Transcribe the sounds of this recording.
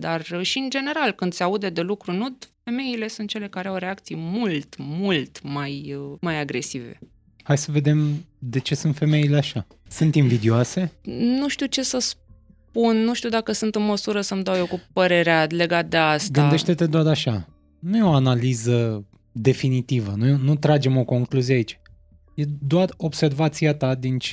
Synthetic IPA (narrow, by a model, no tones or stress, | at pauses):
d̪arʃiɨnd͡ʒe̞ne̞ɾalkɨnd̪sʲaud̪e̞d̪e̞lukɾunud̪fe̞me̞ile̞sunt̪̚t͡ʃe̞le̞kaɾeawɾeakt̪sijmult̪mult̪majmajaɡɾe̞sive̞̰ | hajsəve̞d̪e̞md̪e̞t͡ʃe̞sunt̪fe̞me̞ileaʃa | sunt̪imvid̪ioase̞nuʃt̪iut͡ʃe̞səs | punːuʃt̪iud̪akəsunt̪ɨnməsuɾəsəmd̪awjewkupəɾe̞ɾeale̞ɡat̪̚d̪eastɡ̪ɨnad̪e̞ʃt̪e̞t̪e̞d̪oat̪aʃa | nujeo̞analizə | d̪e̞finit̪ivənujeonut̪ɾad͡ʒe̞mo̞ko̞ŋkluzieait͡ʃ | je̞d̪oaro̞bse̞rvat̪siat̪ad̪int͡ʃ